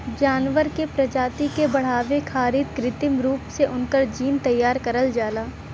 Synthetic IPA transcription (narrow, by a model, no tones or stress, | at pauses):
d͡ʒaːnʋəɾkepɾɐd͡ʒaːt̪ikebɐɽ̤aːʋekʰaːɾɪt̪̚kɾɪt̪ɪmɾuːpseʔʊnkəɾd͡ʒiːnt̪ɐjːaːɾkɐɾəld͡ʒaːlaː